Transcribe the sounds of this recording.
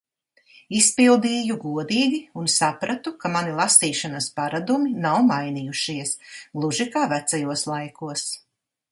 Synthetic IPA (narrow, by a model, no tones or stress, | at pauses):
ispilˠd̪iːjuɡuɔd̪iːɡiunsapɾat̪ukamanilˠasiːʃanɐspaɾad̪uminawmajnijuʃiɛsɡlˠuʒikaːvæt̪sajuɔslˠajkuɔs